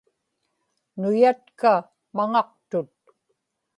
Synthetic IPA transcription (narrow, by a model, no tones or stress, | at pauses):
nʊjat̪ka | maŋɑq̚t̪ʊt̪̚